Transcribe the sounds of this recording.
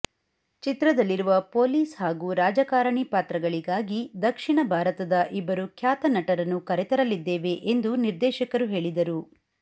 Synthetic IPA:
t͡ʃit̪ɾɐd̪ɐlːiɾuʋɐpoːliːshaːɡuːɾaːd͡ʒɐkaːɾɐɳipaːt̪ɾɐɡɐɭiɡaːɡid̪ɐkʂiɳɐbʱaːɾɐt̪ɐd̪ɐʔibːɐɾukʰjaːt̪ɐnɐʈɐɾɐnːukɐɾɛt̪ɐɾɐlːid̪ːeːʋe̞ʔend̪uniɾd̪ɛːʃɐkɐɾuɦe̞ːɭid̪ɐɾu

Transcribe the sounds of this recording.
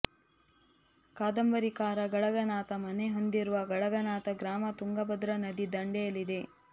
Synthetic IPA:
kaːd̪ɐmbɐɾikaːɾɐɡɐɭɐɡɐnaːt̪ɐmɐne̞ɦo̞nd̪iɾuʋɐɡɐɭɐɡɐnaːt̪ɐɡɾaːmɐt̪uŋɡɐbɐd̪ɾɐnɐd̪id̪ɐɳɖɛjɐlːid̪e̞

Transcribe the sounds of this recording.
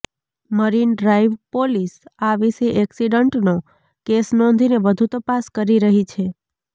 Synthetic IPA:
məɾinɖɾaiʋpolisaʋiʃeʔɛksiɖəɳʈno | kesnɔ̃nd̪ʱineʋəd̪ʱut̪əpaskəɾiɾəɦit͡ʃʰe

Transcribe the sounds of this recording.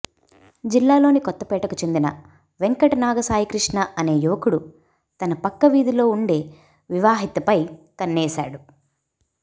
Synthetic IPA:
d͡ʒilːaːlo̞ːnikɔt̪ːɐpɛːʈɐkut͡ʃe̞nd̪inɐ | ʋeŋkɐʈɐnaːɡɐsaːɦikɾiʂɳɐɐne̞ːjuʋɐkuɽu | t̪ɐnɐpɐkːɐʋiːd̪ilo̞ːuɳɖe̞ː | ʋiʋaːɦit̪ɐpɐjkɐnːɛːsa̰ːɽu

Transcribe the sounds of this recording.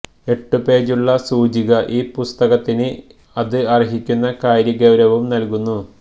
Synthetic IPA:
e̞ʈːɨpe̞ːd͡ʑuɭːɐsuːd͡ʑiɣɐʔiːpust̪ɐɣɐt̪ːinɨ | ɐðɨɐriɦikʲːunːɐkaːjɾjɐɡɐwɾɐʋumnɐlkunːu

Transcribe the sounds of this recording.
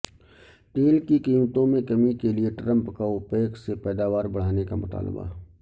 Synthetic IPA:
ʈeːlkikiːmt̪õmẽkɐmikelieʈɾə̃mpkaʊpeːksepɛːd̪aːʋaːɾbɐɽ̤aːnekamʊt̪a̰ːlba̰

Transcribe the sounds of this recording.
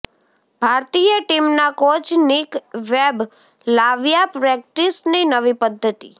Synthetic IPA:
b̥ʱaɾt̪ijəʈimnakot͡ʃʰnikʋeb | laʋjapɾɛk̚ʈisninəʋipəd̪ʱːət̪i

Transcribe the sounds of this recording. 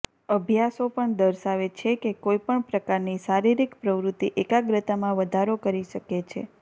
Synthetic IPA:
əbʱjasopəɳd̪əɾʃaʋet͡ʃʰekekoipəɳpɾəkaɾniʃaɾiɾikpɾəʋɾut̪ːiʔekaɡɾət̪amãʋəd̪ʱaɾokəɾiʃəket͡ʃʰḛ

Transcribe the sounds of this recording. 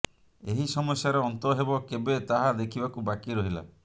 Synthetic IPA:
eɦisɔmɔsjaɾeɔnt̪ɔɦebɔkebet̪aɦad̪ekʰibakubakiɾɔɦila̰

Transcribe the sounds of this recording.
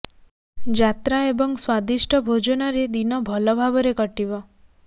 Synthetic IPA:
d͡ʒat̪ɾaebɔŋɡswad̪iʃʈʰəbʱod͡ʒɔnaɾed̪inɔbʱəlɔbʱabɔɾekəʈiʋɔ

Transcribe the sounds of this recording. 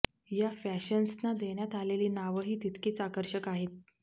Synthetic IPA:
jafæɕənsnad̪eɳjat̪aleliːnaʋəɦiːt̪it̪kʰiːt͡sakəɾɕəkaɦet̪̚

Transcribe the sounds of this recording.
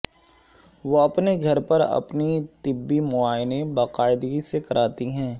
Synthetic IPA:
ʋoɐpneɡʱɐɾpɐɾɐ̰pnit̪ɪbːimʊaːjnẽbaːqaːɪd̪ɡisekɐɾʔaːt̪iɦɛ̃ː

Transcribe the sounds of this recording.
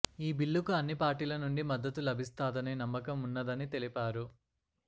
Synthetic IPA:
iːbiɭːukuɐnːipaːɾʈiːlɐnuɳɖimɐd̪ːɐt̪ulɐbʱist̪aːd̪ɐninɐmːɐkɐmunːɐd̪ɐnit̪e̞lipaːɾu

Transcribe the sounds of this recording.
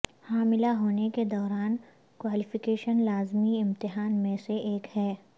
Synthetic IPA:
haːmɪlaɦoːneked̪ɔːɾaːn | kwaːlɪfɪkeːʃənlaːzmiɪ̃mt̪ɪɦaːnmẽseʔeːkhɛː

